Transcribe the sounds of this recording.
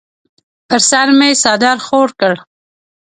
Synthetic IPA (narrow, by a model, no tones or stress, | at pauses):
pəɾsaɾmeesɑd̪ɑɾxoɾkəɽ